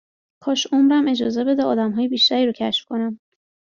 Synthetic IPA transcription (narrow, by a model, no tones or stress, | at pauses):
kʰɒːʃomɾæme̞d͡ʒɒːze̞be̞d̪ɛɒːd̪æmɦɒːjebiːʃt̪æɾiɾocʰæ̰ʃfkʰo̞næm